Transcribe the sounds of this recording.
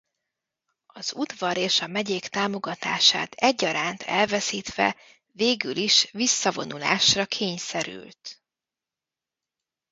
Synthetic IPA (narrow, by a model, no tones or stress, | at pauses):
ɒzud̪vɒɾeːʃɒmɛɟeːkt̪aːmo̞ɡɒt̪a̰ːʃa̰ːt̪ʰɛɟːɒɾaːnt̪ʰɛlvɛsiːt̪ʋɛ̰ | veːɡyliʃvisːɒvo̞̰nula̰ːʃrɒkʰeːɲsɛɾy̰lt̪